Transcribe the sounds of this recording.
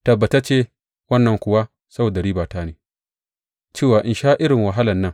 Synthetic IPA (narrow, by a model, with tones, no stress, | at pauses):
tɐ˨bːɐ˨ta˦t͡ʃeː˦ | wɐ˦nːɐ˨ŋkʷʊ˨wa˦ | sɐ˦boː˨da˨ɽiː˦baː˨taː˦neː˨ | t͡ʃeː˦˨waː˨ʔɪ˨nʃaː˦ʔɪ˦ɾɪ˨ŋwɐ˨ɦa˦lɐ˨nːɐ˦ŋ